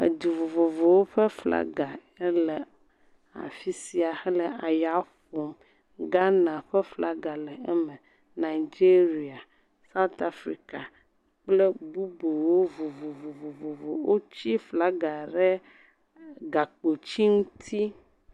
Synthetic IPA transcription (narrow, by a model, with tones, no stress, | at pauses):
ḛ˨d̪u˨vo˨vo˨vo˨wo˦ɸɛ˦fla̰˦ɡa˨ | ɛ˦lɛ˨ | a̰˨fi˦si˨a˨xɛ˦lɛ˨a˨ja˦ɸo˨m | ɡa˦nã˨ɸɛ˦fla˦ɡa˨lɛ˨ɛ˦mə˨ | nã˨i˨d͡ʒi˦ɾi˦a˨ | sa˦u˦t̪a˦˨fɾi˦ka˨ | k͡plɛ˦bu˦bo˨wo˦vo˨vo˨vo˨vo˨vo˨vo˨wo˦t͡ɕi˦fla˦ɡa˨ɖɛ˦ | ɡa˨k͡po˨t͡ɕi˦ŋũ˦t̪ʰi˦